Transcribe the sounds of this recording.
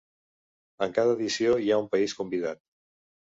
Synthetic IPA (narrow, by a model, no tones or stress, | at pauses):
əŋkaðəːðisioiaumpəiskumbiðat̪̚